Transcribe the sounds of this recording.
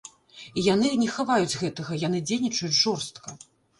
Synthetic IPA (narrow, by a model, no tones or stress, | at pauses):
ijan̪ɨnʲɛxavajud͡zʲɣɛt̪ɐɣɐjanɨd͡zʲejnʲit͡ʂɐjut͡sʲʐɔrst̪kɐ